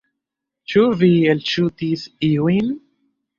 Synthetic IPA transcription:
t͡ʃuvielt͡ʃut̪isiwin

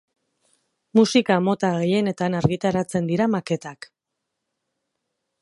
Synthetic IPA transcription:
musikamo̞t̪aɣe̞je̞ne̞t̪anaɾɣit̪aɾat͡se̞nd̪iɾamake̞t̪ak

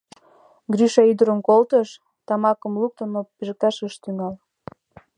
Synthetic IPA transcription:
ɡryʃɑyd̪əɾəmkolt̪əʃ | t̪ɑmɑkə̆mluk̚t̪ə̆nopiʒk̪ɑʃəʃt̪yŋɑl

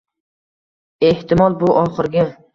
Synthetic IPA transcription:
e̞ht̪ɪmɒlˠbʊʔɒχɨɾɡʲɪ

